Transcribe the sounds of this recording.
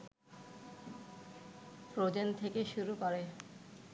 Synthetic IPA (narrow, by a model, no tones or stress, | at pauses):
pɾod͡ʑent̪ʰekeʃuɾukɔɾe